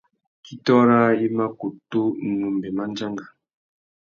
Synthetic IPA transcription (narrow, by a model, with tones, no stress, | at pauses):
ki˦tɔ˦ɾa˦i˦ma˦ku˨to˦nu˨mbe˨ma˦n˦d͡ʒa˦ŋɡa˨